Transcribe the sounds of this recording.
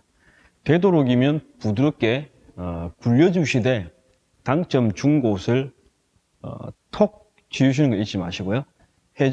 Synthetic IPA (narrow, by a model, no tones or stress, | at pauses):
te̞doɾoɡimjʌnpuduɾop̚k͈e̞ | kuʎːʌd͡ʑuɕʰide̞ | taŋt͡ɕ͈ʌmt͡ɕuŋɡosʰɯɭ̰ | tʰok̚ | t͡ɕiuɕ̬ʰinɯnŋɡʌit̚t͡ɕ͈imaɕʰiɡojo | he